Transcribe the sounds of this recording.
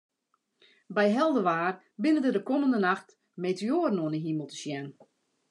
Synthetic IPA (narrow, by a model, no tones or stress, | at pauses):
bɛjɦɛlˠdəʋaːr | bɪnədədəkoməndənaxt | meːteoːrən̩oənəɦiməlˠtə̥ʃjɛn